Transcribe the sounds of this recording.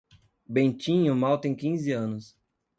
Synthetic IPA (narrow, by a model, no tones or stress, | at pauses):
bẽnt͡ʃĩɲʊmawt̪ẽj̃kĩzɪɐ̃nʊs